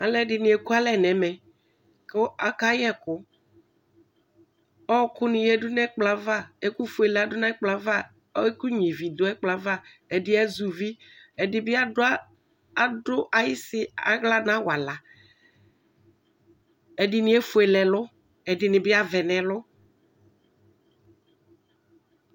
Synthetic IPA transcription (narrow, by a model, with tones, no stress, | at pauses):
a˨lɛ˦dɪ˨nĩ˨e˨ku˦a˦lɛ˨nɛ̃˨mɛ˨ | kɪ˦a˨ka˦jɛ˦kʊ˨˦ | ɔ˦kʊ˦nɪ̃˨jɛ˦dʊ˦nɛ˦k͡pla˨˦va˦˨e˦ku˦fu˦e˨lɛ˨a˨dʊ˦nã˦ɪ˦k͡pla˨˦va˦ | e˦ku˦ɲĩ˨vi˨d̪ʊ˦ɛ˦k͡pla˨va˦ | ɛ˨dɪ˦ɛ˦zu˨vi˦ | ɛ˨dɪ˦bɪ˦a˦ | a˨dʊ˦ʔa˨jɪ˦sɪ˦a˨ɣla˦nã˦wa˨la˨ | ɛ˨dɪ˦nɪ̃˦ɛ˦fu˨ɛ˨lɛ˨lʊ˦ | ɛ˨dɪ˨˦nɪ̃˨bɪ˦a˦vɛ˨nɛ̃˨lʊ˦